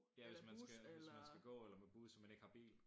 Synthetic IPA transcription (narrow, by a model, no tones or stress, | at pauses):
jæʋe̝smænsɡ̥ʋe̝smænsɡ̥æɡ̥ɔ̰̽ːelɐmeb̥uːð̩ˠsɒmæne̝ɡ̥hɑ̈b̥ḭːl